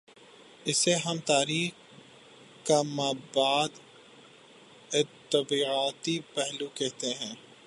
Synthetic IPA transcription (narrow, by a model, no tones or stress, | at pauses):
ɪseɦɐmt̪aːɾiːx | kamabaːd̪ | ɪt̪ːɐbiːaːt̪ipɛɦlukɛɦt̪eɦɛ̃ː